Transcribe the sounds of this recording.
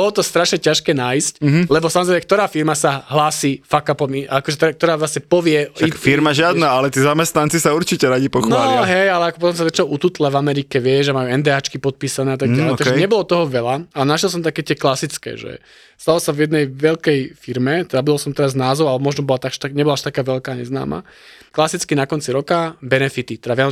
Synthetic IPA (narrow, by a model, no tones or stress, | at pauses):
bɔlɔt̪ɔst̪ɾaʃɲɛcaʃkɛːnaːjsc̩ɦlɛbɔsamɔzɾɛjmɛkt̪ɔɾaːfiɾmasaɦlaːsiːfakapɔmiʔakɔʒɛt̪ɛk̚t̪ɔɾaːʋlasɲɛpɔʋɪɛaiffiɾmaʒɪad̪naːalɛt̪iːzamɛst̪nant͡sisauɾt͡ʃicɛɾaɟipɔxnɔɦɛjalɛakɔpɔt̪ɔms̬azat͡ʃnɔʔut̪uːt̪lɛvamɛɾikɛʋɪɛʒamajuɛnd̪ɛːaːt͡ʃkipɔt̪̚piːsanɛːat̪aɡɟaɛjt̪aɡʒɛɲɛbɔlɔt̪ɔɦɔʋɛlaanaʃjɛlˠs̬ɔmt̪akɛːt̪ɪɛklasit͡skɛ̰ʒɛ̰ | st̪alɔsavjɛd̪nɛjʋɛʎkɛjfiɾmɛt̪ɛd̪abud̪ɔlsɔmt̪ɛɾaznaːzɔʊalɛbmɔʒnɔbɔlat̪aɡʃt̪aɲɛbɔlaaʃt̪akaːʋɛlkaːɲɛzna̰ːma̰ | klasit͡skinakɔnt͡siɾɔkabɛnɛfit̪it̪ɛd̪avʋjan